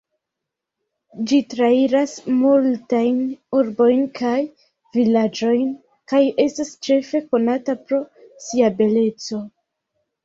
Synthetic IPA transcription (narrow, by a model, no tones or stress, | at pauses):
d͡ʒitɾaiɾasmultajnuɾbo̞jnkʰaj | vilad͡ʒo̞jn | kaje̞stast͡ʃe̞fe̞ko̞natapɾo̞siabe̞le̞t͡so̞